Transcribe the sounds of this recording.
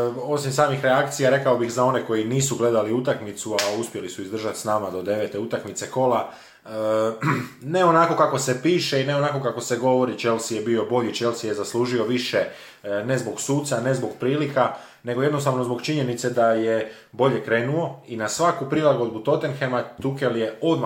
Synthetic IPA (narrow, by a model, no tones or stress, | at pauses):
o̞simsaːmixɾe̞akt̪sijaɾe̞kaobixzao̞ne̞ko̞jiniːsuɡle̞d̪aliut̪akmit̪suauspʲje̞lisuizd̪r̩ʒat̪snaːmad̪o̞d̪e̞ʋe̞t̪e̞ut̪akmit̪se̞ko̞la | ne̞o̞nako̞kako̞se̞piːʃe̞ine̞onako̞kako̞se̞ɡo̞ʋo̞ɾit͡ʃe̞lsijebio̞bo̞ʎit͡ʃe̞lˠsije̞zaslˠuːʒio̞ʋiʃe̞ | ne̞zbo̞ɡsuːt̪sane̞zbo̞ɡpɾiːlika | ne̞ɡo̞jed̪no̞st̪aʋno̞zbo̞ɡt͡ʃiɲenit̪se̞d̪aje | bo̞ʎe̞kɾe̞ːnuo̞inasʋakupɾilˠaɡo̞d̪but̪o̞t̪e̞nxemat̪uke̞ljeo̞d̪m